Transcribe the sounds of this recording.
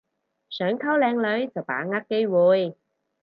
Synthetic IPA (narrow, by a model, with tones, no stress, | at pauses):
sœː˨˥ŋkʰɐ˥wlɛː˨˧ŋlɵ˨˧˥ɥt͡sɐ˨˩wpa̰ː˨˥ŋa˥kːe˥jwuː˨˧j